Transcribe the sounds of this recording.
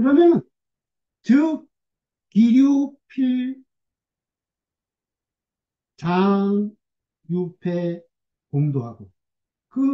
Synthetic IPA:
kɯɾʌmjʌn | tɯ | kiɾjupʰiɭ | t͡ɕaŋ | jupʰe | pomdoɦaɡo | kɯ

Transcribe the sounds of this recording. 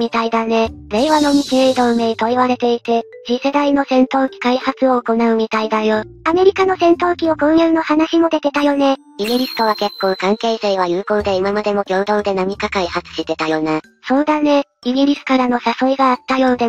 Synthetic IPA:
mʲit̪aid̪ane̞ɾe̞ːβano̞m̟it͡ɕieid̪o̞ɯme̞it̪o̞iβaɾe̞t̪e̞it̪e̞ʑise̞d̪aino̞sẽ̞nt̪o̞ːkʲi̥kaihat͡sɨoːko̞naɯ̟mʲit̪aid̪ajo̞ame̞ɾʲikano̞sẽ̞nt̪o̞ːkʲiokõ̞ɰ̃jɯ̟ːno̞hanaɕimo̞d̪e̞t̪e̞t̪ajo̞ne̞ | iɡʲiɾʲisɨ̥t̪o̞βake̞kːõ̞ŋkãŋke̞ːse̞ːβ̞ajɯ̟ːko̞ːd̪e̞imamad̪e̞mo̞kʲo̞ːd̪o̞ːd̪e̞namʲikakaihat͡sɨ̥ɕit̪e̞t̪ajo̞na | so̞ːd̪ane̞iɡʲiɾʲisɨ̥kaɾano̞saso̞iɡaːt̪ːajo̞ːd̪e

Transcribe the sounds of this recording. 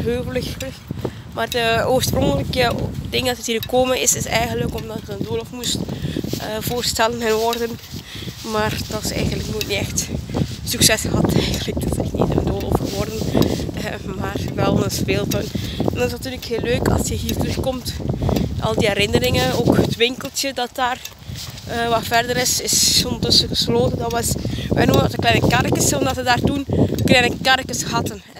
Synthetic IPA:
ɦøːɣələx | maːrdəoːɹsprɔŋkələkədɪŋdɑtəthiːrɣəkoːmənɪsɪsɛjɣəndləkɔmdɑtxəəndoːlofmustʔəv̥oːrstɛlənɛnʋɔrdən | maːrdɔɪsɛ̰jɣəndləknuətniɛxtsyksɛsxəɦɑtɛjxəndlək̚dɔsnitnḭtə̰rə̰ndoːlo̰fxəʋɔrdən | maːrʋɛlˠnəspeːlˠtɔnɛndɑnɪsnɑtyːrləkɦeːlːøːkɑ̰lˠsjəɦiːrtrɵxkɔmtʔɑ̰lˠdiɛɾɪnəɾɪŋənoːkhətʋɪŋkəlˠtjədɑt̚d̥aːr | əʋɑfɛrdəɾɪsɪsondərtɵsəɣəsloːtəndɑʋɛsʋɛjnumənɔdəklɛjnəkɛrkəsɔmdɑtədaːrtunəklɛjnəkɛrkəsxɑtən

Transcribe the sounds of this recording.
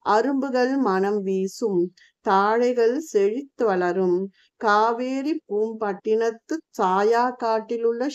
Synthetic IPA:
ʔɐɾɯmbɯɣɐɭmɐnɐmʋiːsɯm | t̪aːɻɐɪɣɐɭsɛɻɪt̪ːɯʋɐɭɐɾɯm | kaːʋeːɾipːuːmpɐʈːɪnɐt̪ːɯsaːjaːkːaːʈːɪlɯɭːɐ

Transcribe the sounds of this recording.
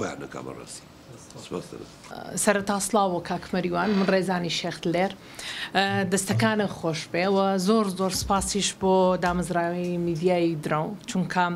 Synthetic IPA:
oja̰nɐka̰bɐ̰ra̰si̥ | sbɐt̪ɐ̰na | sɐɾɐt̪aːslaːwokʰakʰmɐɾiwaːnmɨnreːzaːniʃext̪leːɾ | d̪ɐst̪ɐkaːnɐxoːʃbewɐzoːɾzoːɾspaːsiʃbod̪aːmɐzɾaːwimid̪ijaːjid̪ɾawt͡ʃuŋkʰɐ

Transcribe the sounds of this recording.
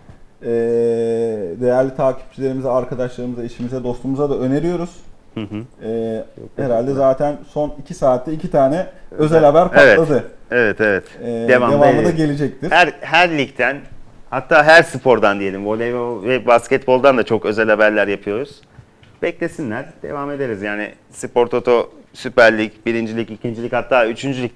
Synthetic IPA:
ɛː | d̪e̞jæɾlʲit̪ʰaːcʰi̥p̚t͡ʃʰilʲe̞ɾimizɛaɾkad̪aʃlˠaɾɯmɯzeʃimizɛd̪o̞st̪umuzad̪aø̞ne̞ɾijo̞ɾuz̥ | hɯ̃ɦɛːhe̞ɾalʲd̪ɛzaːt̪ʰænso̞nicʰisaːt̪ʰːɛicʰit̪ʰaːnɛø̞zɛlʲhabæɾkaevɛad̪ɯevɛt̪evɛt̪ɛd̪evaevamlˠad̪aɟe̞lʲid͡ʒɛc̚t̪ʰiɾhæɾɦæɾlʲict̪ʰænhat̪ːaːɦæɾsɯpʰo̞ɾd̪and̪ije̞lʲimvolʲevovɛbascɛt̪bo̞lˠd̪and̪at͡ʃʰo̞kø̞zælʲhabæɾlʲæɾjapʰɯjo̞ɾuz̥ | b̥ɛclʲe̞sinlʲæɾ̥d̪ḛvame̞d̪e̞ɾizjaːnɪ̰ | sɯpo̞ɾt̪ʰo̞t̪ʰo̞sypæɾlʲicbiɾind͡ʒilʲicicʰind͡ʒilʲichat̪ʰːaːyt͡ʃʰynd͡ʒylʲic

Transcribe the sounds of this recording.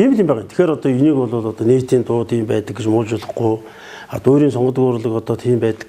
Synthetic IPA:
t̪ʰiːmiɮĭːmpæːʁənt̪ʰe̥xeːɾɔt̪ɔːjuniːkʊɮʊːɮɔt̪ɔːneːt̪iːnt̪ʊːt̪ʰiːmpæːt̪ə̆k̚ɡet͡ɕmʊːɮt͡ɕʊɮə̆χɡʊj | at̪oːɾiːnsɔɴɢɞ̆t̪̬əɣʊɾʊ̆ɮə̆kɔt̪ɔːt̪ʰiːmpæːt̪ə̥̆k

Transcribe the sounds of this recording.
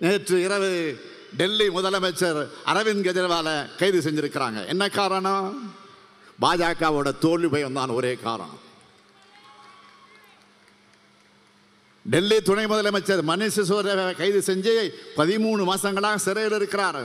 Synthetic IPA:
neːʈrɯɪɾɐʋɯ | ɖɛlːimʊðɐlɐmɐɪt͡ʃːɐɾɐ̰ɾɐʋɪnkɐðɐɾɐʋaːlɐkɐɪðɯsɛɲd͡ʒɪɾɯkːɪɾa̰ːŋɡɐ̰ʔɛ̰nːɐkːaːɾɐɳɐ | baːd͡ʒaːkaːʋoːɽɐt̪oːɭʋipɐːjʋɐnd̪aːnɔɾeːka̰ːɾɐ̰̃ | ɖɛlːit̪ʊɳɐɪmʊðɐlɐmɐɪt͡ʃːɐɾmɐnɪʂɯsɔɐɾɐkɐɪðɯsɛɲd͡ʒɐjɐɪpɐðɪmuːɳɯmaːsɐŋɡɐɭaːɣɐsɪɾɐjɪlɪɾɯkːɪɾaːɾ

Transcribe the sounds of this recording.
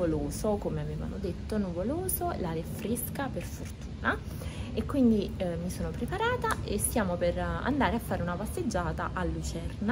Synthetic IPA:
oloːzokomeaveːva̰no̰d̪et̪ːonuvoloːzolalefɾeskaperfort̪uːna | ekːwind̪imisoːnopɾepaɾaːt̪aʔest̪jaːmopera̰nd̪aːɾeafːaːɾeunapasːed͡ʒːaːt̪aʔalːut͡ʃɛrna

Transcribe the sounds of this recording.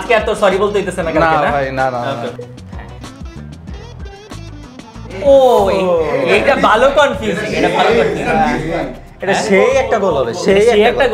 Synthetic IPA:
d͡ʑkeaɾt̪osɔɾibolt̪eɦojt̪̬esʰenakanaenabʱajnana | ɛ̰̃ | o | eʈabʱalokɔnfuseʈabʱalokɔnfu | eʈaʃejɛk̚ʈaɡolɔbeʃeɛeɛk̚aɡ

